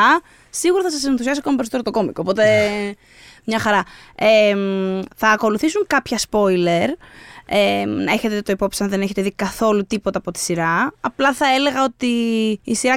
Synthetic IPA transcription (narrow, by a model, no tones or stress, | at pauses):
ɐ | siɣuɾɐθɐsɐsenθusiɐs̬iokomipes̬ot̪eɾt̪oko̞mikoːpo̞t̪e̞ | mɲɐxɐɾɐemθɐːko̞luθisuŋkɐpçɐspo̞jle̞ɾenɐe̞çe̞t̪eet̪oipo̞pisɐnðe̞neçe̞t̪eðikɐθo̞lut̪ipo̞t̪ɐːpo̞t̪i̥siɾɐɐplɐθɐe̞le̞ɣɐo̞t̪iːsiɾɐ